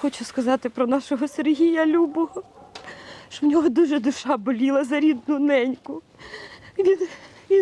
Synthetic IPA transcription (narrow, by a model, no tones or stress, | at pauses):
xɔt͡ʃʊskɐzɑt̪ɪpɾɔnɑʃɔɦɔserɦʲijɐlʲubɔɦɔ | ʃɔmnʲɔɦɔd̪uʒɛd̪ʊʃɑbɔlʲilˠɐzɐɾʲid̪nʊnɛnʲkʊ | i | i